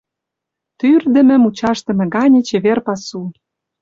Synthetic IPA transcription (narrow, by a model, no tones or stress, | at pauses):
t̪yrd̪ə̆mɘ̆mut͡ɕɑʃt̪ɤ̆mɘ̆ɡɑnʲĕt͡ɕĕβerpɑsu